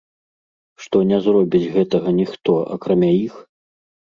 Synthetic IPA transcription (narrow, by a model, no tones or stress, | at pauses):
ʂt̪ɔnʲɛzrɔbʲid͡zʲɣɛt̪ɐɣɐnʲixt̪ɔʔa̰kɾamʲajix